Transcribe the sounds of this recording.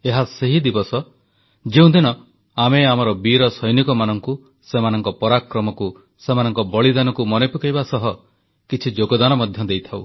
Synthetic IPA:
eɦaseɦid̪ibɔsɔ | d͡ʒeũd̪inɔ | ameamɔɾɔbiɾɔsɔjnikɔmanɔŋku | semanɔŋkɔpɔɾakɾɔmɔku | semanɔŋkɔbɔɭid̪anɔkumɔnepukajbasɔɦɔ | kit͡ʃʰid͡ʒoɡɔd̪anɔmɔd̪ʱjɔd̪ejt̪ʰaw̰

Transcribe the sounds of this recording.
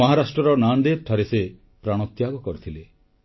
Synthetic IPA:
ɔɦaɾasʈɾɔɾɔnand̪et̪ʰaɾese | pɾaɽ̃ɔt̪jaɡɔkɔɾit̪ʰile

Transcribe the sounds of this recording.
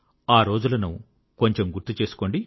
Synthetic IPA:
aːɾo̞ːd͡ʒulɐnu | ko̞ɲt͡ʃemɡuɾt̪ːut͡ʃe̞ːsu̥ko̞ːɳɖi

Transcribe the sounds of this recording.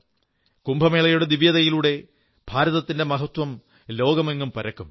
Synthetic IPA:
kumbʱɐmeːɭɐjuɽed̪iʋjɐðɐjiluːɽe̞ | bʱaːɾɐðɐt̪ːinde̞mɐɦɐt̪wɐm | lo̞ːɡɐmeŋːumpɐɾɐkːum

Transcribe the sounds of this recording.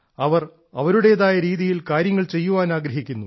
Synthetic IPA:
ɐʋɐr | ɐʋɐɾuɽe̞jðaːjɐɾiːðijilkaːɾjɐŋːɐɭt͡ɕe̞jːuʋaːnaːɡɾɐɦikʲːunːu

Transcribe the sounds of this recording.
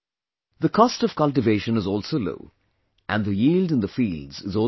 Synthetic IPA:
ðəkʰɔstɔv̥kʌlʈ̬ɪveɪʃə̃nɨzɔːlsoːlo̰ʊ | ʔæ̃nðəjiːldɨ̃nðəfiːldz̥ɪzɔː

